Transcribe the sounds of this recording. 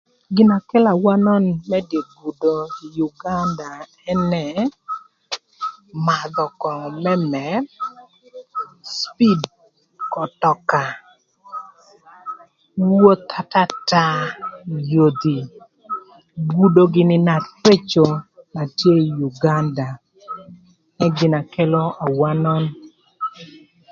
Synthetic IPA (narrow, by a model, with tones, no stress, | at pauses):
ɡɪ˨na˨kɛ˦la˨wa˦nɔ˦nmɛ˦de˨ɡu˨do˨i˨ju˨ɡa˦nda˨ | ɛ˦nɛ˨ | ma˨d̪ɔ˨kɔ˨mɛ˦mɛ˨˦ | spi˦d | kɔ˨tɔ˨ka˨ | wo˦t̪ʰa˦ta˦ta˦ | jo˨d̪i˨ | ɡu˦do˦ɡɪ˦nɪ˦na˨tpe˦t͡ʃo˨ma˨tje˦ju˨ɡa˦nda˨ | ɛ˦ɡɪ˨na˨kɛ˦lɔ˦ʔa˨wa˦nɔ˦n